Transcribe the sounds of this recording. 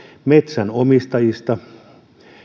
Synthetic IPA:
met̪sænomist̪ɑjist̪ɑ

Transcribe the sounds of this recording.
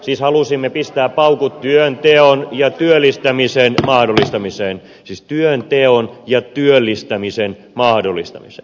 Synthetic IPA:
siːshɑlusimːepist̪æːppɑukutt̪yønt̪eonjɑt̪yølːist̪æmisenmɑhdolːˑist̪ɑmiseːn | siːst̪yønt̪eonjɑt̪yølːist̪æmisen | mɑhdolːˑist̪ɑ̰misḛˑn

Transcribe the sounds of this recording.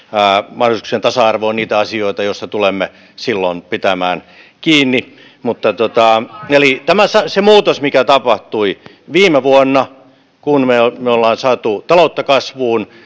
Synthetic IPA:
æːmɑholisu̥ksent̪ɑsɑɑrʋoːnniːt̪æɑsioit̪ɑjost̪ɑt̪ulemːe | silːo̰npit̪æmæːn | kiːnːi | mut̪ːɑt̪ot̪ɑelit̪æmæsɑsemuːt̪osmikæt̪ɑpɑht̪ui | ʋiːmeʋuonːɑ | kunmeomeolːɑːnsɑːt̪ut̪ɑlout̪ːɑkɑsʋuːn

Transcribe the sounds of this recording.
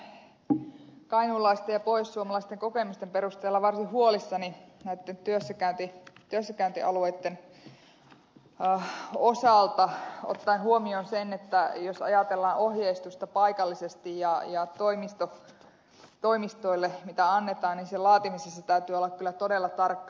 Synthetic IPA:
kɑinulːɑist̪ejɑpoissuomɑlɑist̪eŋkokemust̪emperust̪eːlːɑʋɑrsihuolisːɑninæit̪ːent̪yøsːækæynt̪it̪yøsːækæynt̪ḭʔɑ̰luet̪ːen | osɑˑlt̪ɑo̰t̪ːɑinhuomionsenet̪ːæjosɑ̰jɑt̪elːɑːnʔohjeist̪ust̪ɑpɑikɑlːisest̪ijjɑjɑt̪oimist̪o | t̪oimist̪oilːemit̪æɑnːet̪ɑːnninselɑːt̪imisesːɑt̪æyt̪yːolːɑkkylːˑæt̪odelːɑt̪ɑrkːɑ

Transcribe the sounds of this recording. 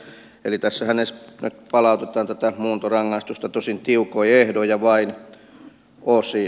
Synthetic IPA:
ḛlit̪æsːæhænesnyt̪pɑlɑut̪et̪ɑːnt̪æt̪æmuːnt̪orɑŋːɑist̪ust̪ɑt̪osint̪iukoiehdojɑʋɑin | osi

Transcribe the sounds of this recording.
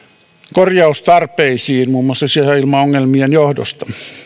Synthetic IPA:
korjɑust̪ɑrpeisiːnmuːmːˑoɑsːɑsieæilmɑoŋːelmienjohdo̰st̪ɑ̥

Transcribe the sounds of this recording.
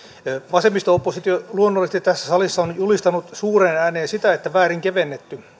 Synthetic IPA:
ʋɑsemːist̪ɑupːosit̪joluonːolːest̪it̪æsːæ̥sɑlisːɑonjulist̪ɑnut̪suːrenæːneːnsit̪æet̪ːæʋæːriŋkeʋenːet̪ːy

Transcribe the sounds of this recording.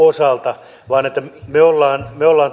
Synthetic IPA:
osɑlt̪ɑ | ʋɑːnet̪ːæmeolːɑːnmeolːɑːn

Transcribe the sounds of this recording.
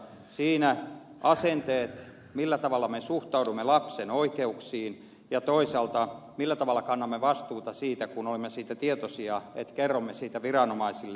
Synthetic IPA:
siːnæ | ɑsent̪eːt̪ | milːæt̪ɑʋɑlːˑɑmesuht̪ɑudumːelɑpsenoikeuksiːn | jɑt̪oisɑlt̪ɑmilːæt̪ɑʋɑlːɑkɑnːɑmːeʋɑst̪uːt̪ɑsiːt̪ækunolimːesiːt̪æt̪iet̪osiɑḛt̪kerːomːesiːt̪æʋirɑnomɑisilː

